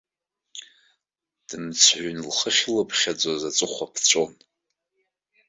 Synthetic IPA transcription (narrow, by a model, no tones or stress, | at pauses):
d̥ɨmt͡sʰħʷnlχəχʲlɨpʰχʲad͡zʷazat͡sʼɨχʷapʰt͡sʷʼon